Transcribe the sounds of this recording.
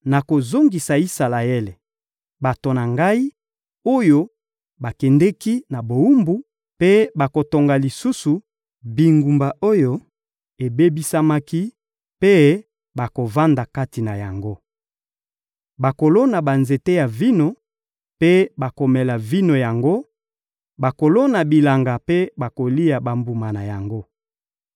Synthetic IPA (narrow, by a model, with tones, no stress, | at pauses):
na˨ko˨zo˦ŋɡi˨sa˨i˦sa˨la˨e˦le˨ | ba˨to˨na˨ŋɡa˦i˦ | o˦jo˦ | ba˨kɛ˨ndɛ˦ki˦na˨bo˨u˦mbu˦ | pe˦ba˨ko˨to˨ŋɡa˨li˨su˦su˨ | bi˨ŋɡu˨mba˨ʔo˦jo˦ | e˨be˦bi˦sa˦ma˦ki˦ | pe˦ | ba˨ko˨va˦nda˨ka˦ti˨na˨ja˨ŋɡo˦ | ba˨ko˨lo˦na˨ba˨nze˨te˦ja˨vi˦no˨ | pe˦ba˨ko˨mɛ˨la˨vi˦no˨ja˨ŋɡo˦ | ba˨ko˨lo˦na˨bi˨la˨ŋɡa˨pe˦ba˨ko˨li˦ja˨ba˨mbu˨ma˨na˨ja˨ŋɡo˦